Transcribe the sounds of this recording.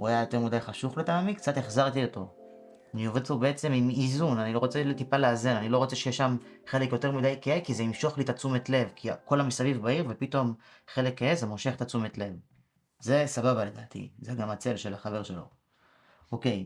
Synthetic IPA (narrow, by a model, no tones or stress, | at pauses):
uajajo̞te̞ʁmudajχaʃuχletaːmikt͡sateχzaʁt̪io̞to̞ | anio̞ved̪pobeet͡se̞mimizunanilo̞ʁo̞t͡seltipaleaze̞nanilo̞ʁo̞t͡se̞ʃejeʃamχe̞le̞kjo̞te̞ʁmidajkeekizeimʃo̞χlit̪at͡sumetle̞vkʰiko̞lamisavivbaiʁve̞pito̞m | χe̞lekːaezemoʃe̞χet̪at͡sumetle̞v | ze̞sababale̞d̪aːt̪ʰḭzeɡamat͡se̞lʃe̞laχave̞ʁʃelo̞̰ | oke̞j